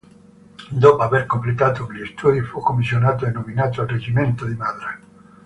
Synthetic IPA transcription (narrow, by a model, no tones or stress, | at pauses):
d̪opaβeɾkomplet̪at̪oŋlest̪uðjufokomisjonat̪oenõmĩnat̪oalreʝimẽnt̪oðimaðɾa